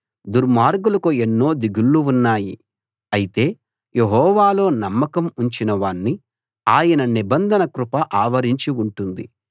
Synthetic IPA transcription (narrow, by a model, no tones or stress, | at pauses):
d̪uɾmaːɾɡulɐkuenːo̞ːd̪iɡulːuunːaːji | ɐjit̪e̞ː | je̞ɦɔːʋaːlo̞ːnɐmːɐkɐmuɲt͡ʃinɐʋaːɳːi | aːjɐnɐnibɐnd̪ʱɐnɐkɾupɐʔaːʋɐɾiɲt͡ʃiuɳʈund̪ḭ